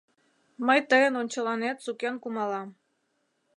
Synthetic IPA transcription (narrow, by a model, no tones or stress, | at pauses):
məjt̪əjə̆nonʲt͡ɕɤ̆lɑnet̪sukenkumɑlˠɑm